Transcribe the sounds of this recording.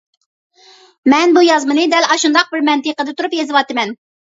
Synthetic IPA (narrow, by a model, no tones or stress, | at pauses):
mɛnbujɑzmɨnɨd̪ɛlɑʃund̪ɑq̚bɪɾmɛnt̪ɨqəd̪ɛt̪ʰuɾupjezɨwɑt̪ɨmɛn